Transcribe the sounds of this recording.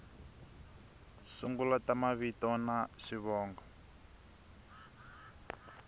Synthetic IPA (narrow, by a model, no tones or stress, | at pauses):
suŋɡulatamaβitɔnaʂiβɔːŋɡɔ